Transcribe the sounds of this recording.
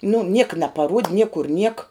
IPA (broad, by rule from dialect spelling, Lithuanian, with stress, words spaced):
nʊ ˈnʲiɛkɐ nɐpɐˈruɔtʲ ˈnʲiɛkʊr nʲiɛk